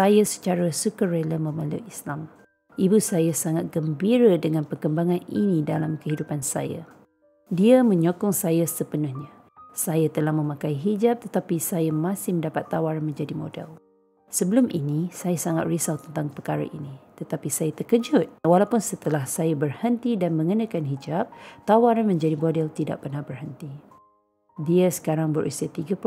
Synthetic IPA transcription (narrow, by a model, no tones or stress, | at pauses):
sajasə̥t͡ʃaɾasukəɾɛləməmãlṵislam | ʔibusajasaŋat̪̚ɡəmbiɾədəŋãnpərkəmbaŋãnḭnidalamkəɦidupansa̰ja̰ | diəmə̃ɲokɔŋsajasəbənʊhɲa | sajat̪əlahmə̃mãkaiɦid͡ʒap̚t̪ət̪apisajamãsɪhməndapat̪ːawaɾanmə̃ɲd͡ʒadimo̰dɛ̰l | səbəlʊmʔinisajasaŋa̰t̪̚risawt̪ənt̪aŋpəkaɾa̰ʔḭnit̪ət̪apisajat̪əkəd͡ʒʊt̪̚walawpʊnsət̪əlahsajabərhənt̪idanmə̃ŋənãkanɦid͡ʒap̚t̪awaɾanmə̃ɲd͡ʒadibodɛlt̪ida̰ʔ̚pərnahbərhənt̪i | diəsə̥kaɾaŋbəɾʔisiat̪iɡap